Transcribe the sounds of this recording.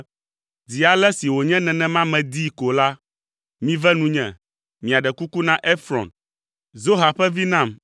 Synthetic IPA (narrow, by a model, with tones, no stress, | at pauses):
d͡zi˨a˨lɛ˦si˨wo˨ɲɛ̃˦nɛ̃˨nɛ̃˦mã˦mɛ̃˨d̪i˦ko˨la˦ | mĩ˦vɛ˦nũ˦ɲɛ̰̃˨ | mĩ˨a˨ɖɛ˨ku˦ku˦nã˦ʔe˦fɾɔ̰˨n | zo˦ɦa˨ɸɛ˦vi˦nã˦˨m